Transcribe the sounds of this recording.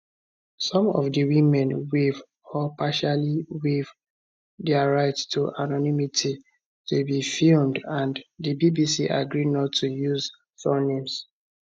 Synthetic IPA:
sɔ̃mɔ̰vdəwimɛ̃nwiv | ɔpʰaʃaliwiv | dɛaɹaɪttʰuʔanɔnimitʰi | tʰubifilmdãnddibibisiʔa̰ɡɹidnɔtʰːujuz | fɔnĩms

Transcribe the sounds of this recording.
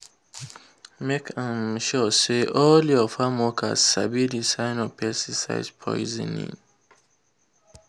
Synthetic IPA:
mekʰãmʃɔseʔɔliɔfamɔkʰa̰zsabidisajnɔpʰɛstisa̰jzpʰɔ̰jizḭnḭ̃ŋ

